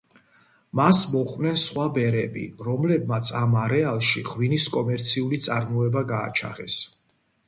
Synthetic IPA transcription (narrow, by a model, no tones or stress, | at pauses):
masmɔχʼwnɛnsχwabɛɾɛbḭɾɔmlɛb̚mat̪sʰamaɾɛalˠʃiʁwiniskʼɔmɛɾt̪sʰiulit̪sʼaɾmɔɛbaɡa̰ːt͡ʃʰa̰ʁɛ̰s